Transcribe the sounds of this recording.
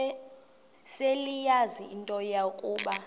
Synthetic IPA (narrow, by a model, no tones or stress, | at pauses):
selijaziintʼɔjakʼuːɓa